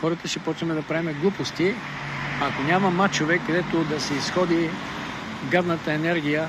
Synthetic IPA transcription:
xɔɾət̪ɐʃɛpɔt͡ʃnɐmɛd̪ɐpɾɛmɛɡlˠupost̪i | akonʲamɐmat͡ʃovɛkːɐd̪ɛt̪od̪ɐsɛisxɔd̪i | ɡad̪nət̪əɛnɛɾɡ̟ijə

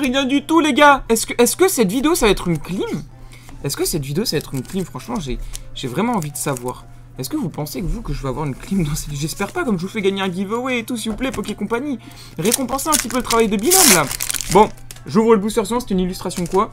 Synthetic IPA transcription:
ʁijɛ̃d̪yt̪uleɡaɛskəʔɛskəsɛt̪vid̪eosavaɛt̪χynklim | ɛskəsɛt̪vid̪eosavaɛt̪χynklimfχɑ̃ʃmɑ̃ʒeʒ̥evʁɛmɑ̃ɑ̃vid̪əsavwa̰ːʁ | ɛskəvupɑ̃sekvukəʒəvøavwaʁynklimd̪ɑ̃sed̪iʒɛspɛʁpakɔmʒəvufɛɡaɲeɛ̃ɡʲivoweːt̪us̬ivuplɛpɔkʲekɔ̃paɲi | ʁekɔ̃pɑ̃seɛ̃p̚t̪ipølət̪χavajd̪əbilɔ̃mlabɔ̃ʒuvʁələbusyʁsəmɑ̃se̥t̪ynilyst̪χasjɔ̃kwa

